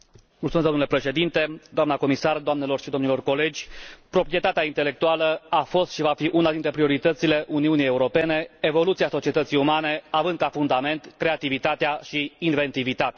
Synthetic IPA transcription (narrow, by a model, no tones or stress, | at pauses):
mult̪umed̪omnulepɾe̞ʃe̞d̪int̪e̞d̪oamnəko̞misard̪oamne̞lo̞rʃid̪onilo̞rko̞le̞d͡ʒʲpɾo̞pɾie̞t̪at̪eaint̪e̞le̞k̚t̪ualəafo̞st̪ʃivafiʔunad̪int̪ɾe̞pɾio̞ɾit̪ət̪sile̞ʔuniunijeuɾo̞pe̞ne̞evo̞lut̪siaso̞t͡ʃie̞t̪ət̪sijumane̞avɨnd̪̚kafund̪ame̞nt̪kɾe̞at̪ivit̪at̪eaʃiːnve̞nt̪ivit̪at̪ea